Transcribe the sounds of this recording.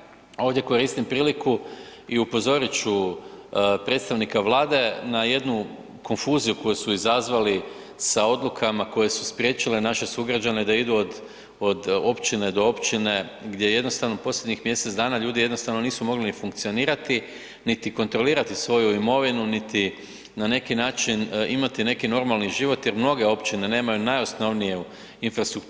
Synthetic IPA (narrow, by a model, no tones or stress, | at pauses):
o̞ːʋd̪je̞ko̞ɾist̪impɾiːlikuiupo̞zo̞ɾit͡ɕu | pɾe̞t̪st̪aʋnikaʋlˠaːd̪e̞naje̞d̪nu | ko̞nfuːzijuko̞jusuizazʋali | sao̞d̪lukʰamako̞je̞suspɾje̞t͡ʃilenaʃe̞suɡɾad͡ʑaned̪aid̪uod̪ | od̪o̞pt͡ʃine̞d̪o̞o̞pt͡ɕine̞ɡd̪je̞je̞d̪no̞st̪aʋno̞po̞slʲje̞d̪ɲixmje̞set̪zd̪aːnaʎuːd̪ije̞d̪no̞st̪aʋno̞niːsumo̞ɡlinifuŋk̚t̪sio̞niːɾat̪i | nit̪iko̞nt̪ɾo̞liːɾat̪isʋo̞juimo̞ʋinunit̪i | nane̞kinaːt͡ʃinimat̪ine̞kino̞ɾmalˠniʒiʋo̞t̪je̞ɾmno̞ɡe̞o̞pt͡ʃine̞ne̞ːmajunajo̞sno̞ʋnijeu | infɾast̪ɾuk